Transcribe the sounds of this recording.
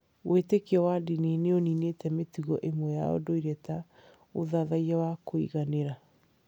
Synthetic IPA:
wʔetekɔwadineneoninetɛmetuɣɔʔemwɛja̰o̰doiɾɛta | oðaðaiawakoḭɣaneɾa

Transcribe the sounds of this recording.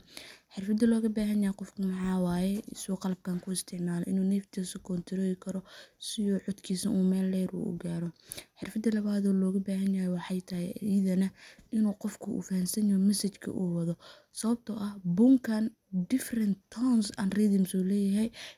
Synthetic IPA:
ħɪrfɐd̪ɐlɔːɣɐbaːɦɐnjajjqɔfkʰʊmɑħɑːwaːjɛʔɪsɐɣɔqɑlɐb̚kʰaːŋkʰʊɪst̪ʰɪʕmaːlɛ̰ʔɪnuːnɛft̪ʰisʊkʰɔnt̪ʰɪɾɔːðɪkʰɐɾɔsɪjɔːʕɔd̪kʰiːsɐʔuːmɛːlːɛjɾṵːʔʊ̰ɡaːɾɔħɪrfɐd̪ɐlɐβaːðɔːlɔːɣɐbaːɦɐnjajɛwɑħɑjt̪ʰɐhɛiðɐnɐʔɪnuːqɔfkʰʊʔṵːfɐhɐnsɐnɔːmɐsɐt͡ʃkʰɐ̰ʔuːwɐðɔ | sɐβɐb̚t̪ʰɔʔɐhbʊŋkʰɐn | d̪ɪfrɐnt̪ʰɔnsɐ̰nriðɪmsuːlɛːjɐɦɛj

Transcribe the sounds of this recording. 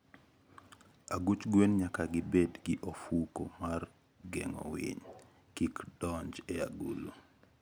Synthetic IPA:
aɡut͡ʃɡwenɲakaɡɪbedɡɪʔofuko̰mar | ɡɛ̰ŋɔ̰wɪ̰ɲ | kikd̥ɔɲd͡ʒɛa̰ɡulo̰

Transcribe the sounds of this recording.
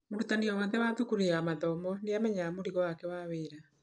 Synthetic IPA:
moɾutaniɔwanðɛwaðukuɾeamaðɔmɔneamɛɲamoɾiɣɔwakɛwaweːɾa

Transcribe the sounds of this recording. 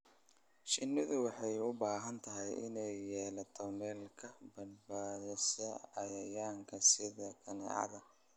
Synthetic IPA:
ʃɪnːɪðʊwɑħɑjʊbaːɦɐnt̪ʰɐɦɛjɪ̰nɛjːɛːlɐt̪ʰɔmɛːlkʰɐbɐnbaːðɪsɐɐjɐjaːŋkʰɐsɪðɐkʰɐnɛ̰ʕɑ̰ðɐ

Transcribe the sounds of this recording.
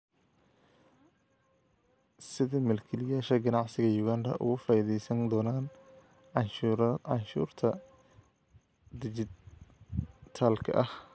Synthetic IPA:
sɪðɐmɛlkʰɛlɪjaːʃɐɡɐnɑʕsɪɣɐjuːɣaːnd̪ɐ̰ʔʊ̰ɣʊfaːiðɛjsɐnd̪ɔːnaːn | ʕɑʃʕɑnʃṵːrt̪ʰɐ | d̪ɪd͡ʒɪ | t̪ʰaːlkʰɐ̰ʔɐh

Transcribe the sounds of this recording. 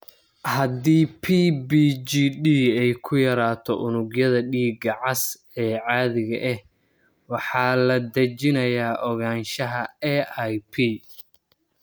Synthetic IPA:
hɐd̪iːpʰiːbiiːɗiːɛjkʰʊjɐɾaːt̪ʰɔ̰ʔʊnʊɡjɐðɐɖiːɡɐʕɑs | ɛːʕɑːðɪɣɐʔɛh | wɑħɑːlɐd̪ɐt͡ʃɪnɐjaːʔɔɣaːnʃɐɦɐɛʔajpʰiː

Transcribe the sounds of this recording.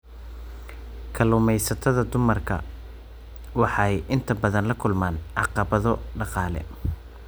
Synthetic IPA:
kʰɐluːmɛjsɐt̪ʰɐðɐd̪ʊmɐrkʰɐ̰ | wɑħɑjʔɪnt̪ʰɐbɐðɐnlɐkʰʊlmaːnʕɑ̰qɑβɐðɔɖɑqɑːlɛ̰

